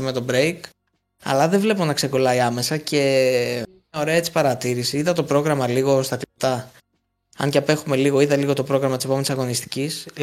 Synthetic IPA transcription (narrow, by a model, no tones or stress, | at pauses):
me̞t̪o̞bɾejk | ɐ̰lɐðevle̞po̞nɐkse̞ko̞lɐiɐme̞sɐce̞ | o̞ɾe̞ɐet͡si̥pɐɾɐt̪iɾisiiðɐt̪o̞pɾo̞ɣɾɐmɐliɣo̞st̪ɐklipt̪ɐ | ɐ̰nɲceɐpe̞xume̞liɣo̞iðɐliɣo̞t̪o̞pɾo̞ɣɾɐmɐt̪ise̞po̞enisɐɣo̞nist̪i̥cis